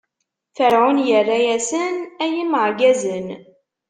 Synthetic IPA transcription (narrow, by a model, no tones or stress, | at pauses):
θəɾʕʊnjərˤːajæsənæjiməʕɡæzən